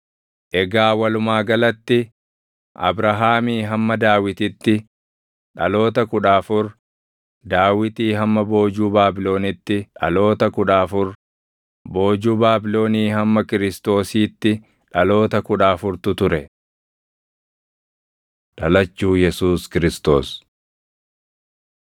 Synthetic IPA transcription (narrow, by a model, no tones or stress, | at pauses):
ʔɛɡaːwɐlʊmaːɡɐlɐt̪ːɪ | ʔɐ̰bɾɐɦaːmiːɦɐmːɐd̪aːwɪt̪ɪt̪ːɪ | ᶑɐlo̞ːt̪ɐkʊᶑaːfʊɾ | d̪aːwɪt̪iːɦɐmːɐbo̞ːd͡ʒuːbaːbɪlo̞ːnɪt̪ːɪᶑɐ̰lo̞ːt̪ɐkʊᶑaːfʊɾ | bo̞ːd͡ʒuːbaːbɪlo̞ːniːhɐmːɐkɪɾɪst̪o̞ːsiːt̪ːɪ | ᶑɐlo̞ːt̪ɐkʊᶑaːfʊɾt̪ʊt̪ʊɾɛ | ᶑɐlɐt͡ʃːuːjɛsuːskɪɾɪst̪o̞̰ːs